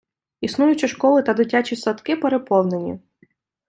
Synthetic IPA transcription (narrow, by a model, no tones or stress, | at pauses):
isnujʊt͡ʃɐʃkɔlˠɪt̪ɐd̪ɪtʲat͡ʃʲisɐt̪kɪpeɾepɔwˠne̞nʲḭ